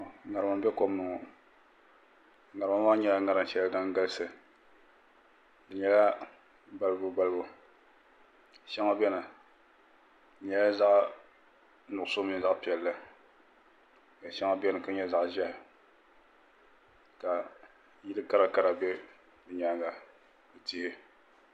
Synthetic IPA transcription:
ŋa˨ɾɨ˨ma˨mbɛ˦ko˦m˦nɨ˨ŋɔ˨ | ŋa˨ɾɨ˨ma˦maː˦ɲɛ˦la˨ŋa˨ɾɨ˦m˦ʃɛ˦la˦da˦ŋ˦ɡa˦lsɨ˨ | dɨ˨ɲɛ˦la˦ | ba˦lɨ˦bʊ˨˦ba˦lbʊ˨ | ʃɛ˦ŋa˦bɛ˦nɨ˨ | ɲɛ˨la˦za˦ʔ | nʊ˨ʔʊ˨so˦mi˨n˦za˦ʔpi˨ɛ˨lːɨ˦ | ka˨ʃɛ˦ŋa˦bɛ˦nɨ˨ka˦ɲɛ˦za˦ʔʒɛ˦˨ | ka˨ | ji˦lɨ˦ka˦ɾa˨ka˦ɾa˨bɛ˦ | dɨ˨ɲa˨˦ŋɡa˨ | bɨ˨ti˦hɪ˦

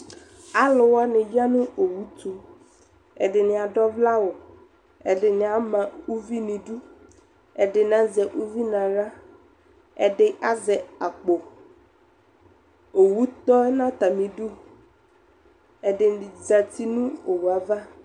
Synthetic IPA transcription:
a˦lʊ˨wa˦nɪ̃˨d͡ʒa˦nʊ̃˦o˨wu˦t̪u˨ | ɛ̰˨dɪ˨nɪ̃˨a˨ɖɔ˦vla˦wʊ˨ | ɛ˨ɖɪ˨nɪ̃˨a˨mã˨u˦vi˦nĩ˨ɖu˦ | ɛ˨dɪ˨n˨ã˦zɛ˨ʔu˦vi˦nã˨ɾa˦ | ɛ˨ɖɪ˨ʔa˦zɛ˨a˨k͡po˨ | o˨wu˦t̪ɔ˦ɛ˦nã˦t̪a˨mĩ˨ɖu˦ | ɛ˨dɪ˨za˨t̪i˦nũ˦o˨wu˨a˨va˦

